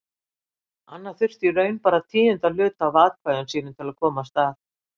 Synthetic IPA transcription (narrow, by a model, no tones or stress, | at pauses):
a̰nːaθʏr̥st̪irœːɥnpaːɾat̪ʰiːnʏnt̪alʏːt̪avaːðkʰvaɥðʏnsiːnʏmt̪ʰɪlaðkʰɔːmast̪aːθ